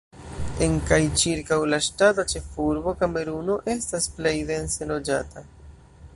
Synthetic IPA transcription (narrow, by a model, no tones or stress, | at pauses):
e̞ŋkajt͡ʃiɾkawlaʃtatat͡ʃe̞fuɾbo̞kame̞ɾuno̞ʔe̞stasple̞jde̞nse̞lo̞d͡ʒata